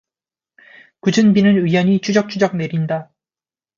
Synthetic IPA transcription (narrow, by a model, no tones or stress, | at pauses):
kud͡ʑɯnbinɯnijʌɲit͡ɕʰud͡ʑʌk̚t͡ɕʰud͡ʑʌk̚ne̞ɾinda